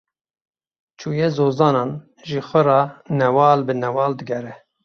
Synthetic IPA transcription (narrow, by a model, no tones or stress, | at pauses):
t͡ʃʰuːjezoːzɑːnɑːn | ʒiːxʷəɾɑːnɛwɑːlbɨnɛwɑːld̪ɨɡɛɾɛ